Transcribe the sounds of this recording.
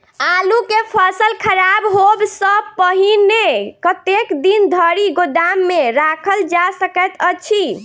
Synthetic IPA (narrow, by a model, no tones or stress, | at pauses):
alukepʰəsəlkʰəɾabɦobsə̃pəɦinekət̪ekd̪ind̪ʱəɾiɡod̪amːeɾakʰəld͡ʒasəkət̪ət͡ʃʰi